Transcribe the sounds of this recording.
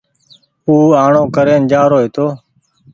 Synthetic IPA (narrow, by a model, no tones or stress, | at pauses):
uːaːɳoːkəɾeːnd͡ʒaːɾoːɦeːt̪oː